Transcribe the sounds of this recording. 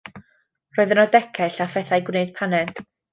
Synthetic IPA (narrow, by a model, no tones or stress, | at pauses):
rɔɨðənɔdɛkʰɛɬafɛθajɡwneɨd̥̚pʰanɛd̥